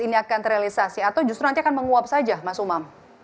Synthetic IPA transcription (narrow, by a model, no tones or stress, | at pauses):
iniakanɾealisasiat̪awd͡ʒust̪ɾunant̪iakanməŋuap̚sad͡ʒamasumam